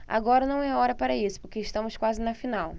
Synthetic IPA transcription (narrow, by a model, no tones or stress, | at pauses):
a̰ɡɔɾɐnɐ̃w̃ɛɔɾɐpaɾɐisʊ̥pʊɾkeɪʃt̪ɐ̃mʊskwazɪnɐfinaw